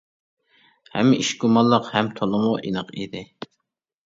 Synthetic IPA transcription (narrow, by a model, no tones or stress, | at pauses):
hɛ̰mːɪʔiʃɡumɑlˠːəqhɛmt̪ʰolˠʊmuʔḭnəqid̪ɪ